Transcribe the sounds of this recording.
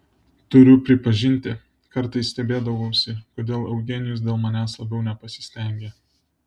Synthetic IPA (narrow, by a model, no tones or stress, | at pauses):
t̪ʊɾʲʊpʲɾʲɪpɐʒʲɪnʲt̪ʲɪ | kɐɾt̪ɐɪsːʲt̪ʲɛbʲeːd̪ɐʋoʊsʲɪkoːd̪ʲeːlˠɛʊɡʲɛnʲɪjʊs̬d̪ʲeːlˠmɐnʲæːslˠɐbʲɛʊnʲɛpɐsʲɪ̥sʲt̪ʲɛŋʲɡʲeː